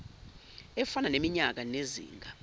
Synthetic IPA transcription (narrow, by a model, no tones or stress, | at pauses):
ɛfananemiɲak̬anezḭːŋɡʱa